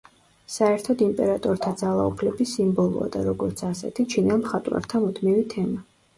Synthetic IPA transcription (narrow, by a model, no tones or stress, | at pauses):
saɛɾt̪ʰɔd̪impʼɛɾat̪ʼɔɾt̪ʰad̪zalˠa̰ṵpʰlɛbisimbɔlˠṵa̰d̪aɾɔɡɔɾt̪sʰasɛ̰t̪ʰit͡ʃʰinɛlˠmχat̪ʼwa̰ɾt̪ʰamud̪ʰmivit̪ʰɛma